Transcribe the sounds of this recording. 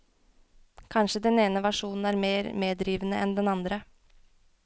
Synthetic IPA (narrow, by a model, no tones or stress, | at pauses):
kʰɑnʂəd̪ɛneːnəʋæʂuːnn̩æːɾmeːɾmeːd̪ɾiːʋənəʔɛnd̪ɛnɑnd̪ɾə